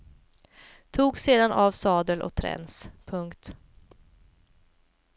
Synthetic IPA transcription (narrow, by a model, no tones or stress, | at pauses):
t̪ʰuːɡseːd̪anʔaːvsɑːd̪əlʔɔ̰t̪ʰɾɛ̰nspʰɵŋkt̪